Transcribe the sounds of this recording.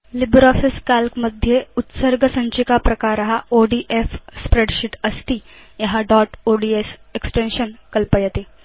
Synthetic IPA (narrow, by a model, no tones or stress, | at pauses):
lɪbɾɔːfiskaːlkmɐd̪ʱjeʊt̪səɾɡəsɐ̃ɲt͡ʃikapɾɐkaːɾɐɦaoːɖiːʔefspɾeːɖʃɪʈɐst̪i | jɐɦaɖɔːʈoɖiːeseksʈẽnʃənkɐlpəjət̪eː